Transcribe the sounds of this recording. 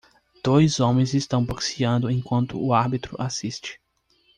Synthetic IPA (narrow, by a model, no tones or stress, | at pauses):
d̪̥ojzõmẽj̃zɪst̪ɐ̃w̃boksiɐ̃nd̪ʊẽkwɐ̃nt̪ʊ̰ːaɾbit̪ɾʊ̰ʔasist͡ʃɪ̥